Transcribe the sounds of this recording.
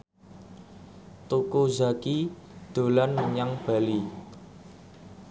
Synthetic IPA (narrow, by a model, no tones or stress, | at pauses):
t̪ukozaki | d̪̥o̤lanməɲaŋb̥a̤li